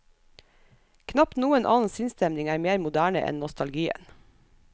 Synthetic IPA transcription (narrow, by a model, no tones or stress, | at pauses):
kʰnɑp̪nuːənʔɑ̰ːn̩sɪnst̪ɛmnɪŋæːɾmeːɾmʊd̪æːɳə̰ʔɛ̰nnɔst̪ɑlɡiːə̰n